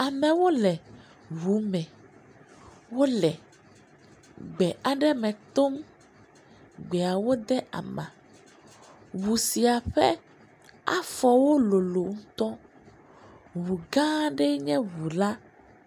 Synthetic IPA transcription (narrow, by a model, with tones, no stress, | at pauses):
a˨mɛ̃˨wo˦lɛ˨ | βu˨˦mɛ̃˨ | wo˦lɛ˨ | ɡ͡bɛ˨ʔa˨ɖɛ˦mɛ̃˨t̪o˦m | ɡ͡bɛ˨a˨wo˦d̪ɛ˦ʔa̰˨mã̰˨ | wu˨si˨a˨ɸɛ̰˦ | a̰˦fɔ˨wo˦lo˨lo˨ŋ̩̃˦t̪ɔ˦ | βu˨ɡã˦ɖɛ˦ɲɛ̃˦βu˨la˦